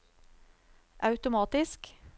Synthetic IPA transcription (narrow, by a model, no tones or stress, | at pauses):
ʔɑʉt̪ʊmɑːt̪ɪsk